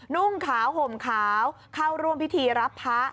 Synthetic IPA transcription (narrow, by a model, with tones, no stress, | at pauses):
nu˥˩ŋkʰaː˩˦wɦo˨˩mkʰaː˩˦w | kʰa˧˩wɾu˧əmpʰi˦˥t̪ʰiː˧ɾa˦˥pʰːa˦˥